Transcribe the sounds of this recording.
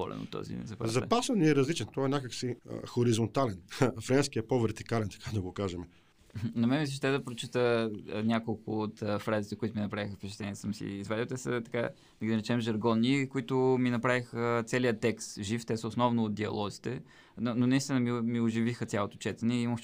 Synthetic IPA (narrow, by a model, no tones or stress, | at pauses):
ɔ̰lɛ̰no̰t̪ːɔ̰zḭnɛ̰zɐpa̰zɐpasɛniɾɐzlit͡ʃɛnt̪ɔɛnʲakəksḭxoɾizont̪alɛnfɾɛnskijəpovɛɾt̪ikalɛnt̪ɐ̥kʰad̪ɐɡokaʒɛmɛ | nɐmɛmisiʃt̪ɛd̪ɐpɾot͡ʃit̪ənʲjakolˠkʊːt̪fɾazit̪ɛkʊit̪ʊminɐpɾavixəfpɛt͡ʃɛ̥t̪lɛniːsəmsḭːzvad̪iot̪ɛsə̰t̪ɐ̥ka | d̪ɐɡʲinɾɛt͡ʃɛmʒɐɾɡɔnːikoit̪ʊminɐpɾavixət̪sɛlijət̪ɛkst̪ʒift̪ɛsəosnɔvnʊːt̪̚d̪iɐ̰lˠɔzit̪ɛ | nononɐist̪inəmimioʒivixəsʲjalˠot̪o̥t͡ʃɛt̪ɛnɛimə